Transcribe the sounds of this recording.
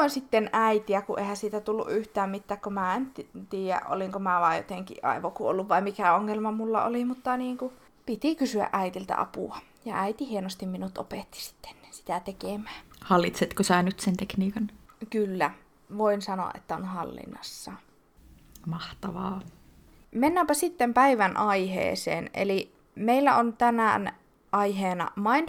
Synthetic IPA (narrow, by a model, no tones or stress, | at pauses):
oinsit̪ːenʔæit̪iækuʔḛhæsiːt̪æt̪ulːṵʔyht̪æːmmit̪ːæːkkomæːent̪t̪iːjæ̰ʔo̰liŋkomæʋɑːjo̰t̪eŋkḭʔʔɑ̰iʋokuʔo̰lːuʋʋɑimikæoŋːelmɑmulːɑ̰o̰liˑmut̪ːɑniːŋku | pit̪ikysyæ̰ʔʔæit̪ilt̪æ̰ʔɑ̰pṵˑɑ | jɑæit̪ihienost̪imminut̪ʔo̰pet̪ːi̥si̥t̪ːe̥nsi̥t̪æt̪ekemæːhɑlːit̪set̪kosæːnyt̪sent̪ekniːkɑnkylːæ | ʋoinsɑno̰ɑ̰ʔḛt̪ːæonhɑlːḭnːɑ̰sːɑ | mɑht̪ɑʋɑː | menːæmpæsit̪ːempæiʋænʔɑihḛːsḛːnʔḛli | meilːæ̰ont̪ænæ̰ˑn | ʔɑiheːnɑ̰mɑin